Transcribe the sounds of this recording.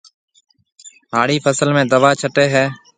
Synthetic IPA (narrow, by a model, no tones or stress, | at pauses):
ɦaːɽiːpʰəsəlmẽːd̪əʋaːt͡ʃʰəʈeːɦɛː